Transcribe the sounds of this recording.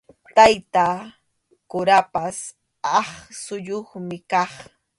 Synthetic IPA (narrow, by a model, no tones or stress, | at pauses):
t̪ajt̪a | kʊɾapas | ɑχsʊʎoχmɪkɑχ